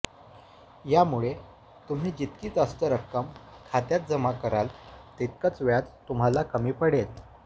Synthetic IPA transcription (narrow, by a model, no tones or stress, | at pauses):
jamuɭe | t̪um̤iːd͡ʑit̪kiːt̪əst̪əɾəkːəmkʰat̪jat̪̚d͡zəmakəɾalt̪it̪̚kət͡sʋjat͡st̪ːum̤alakəmiːpəɽel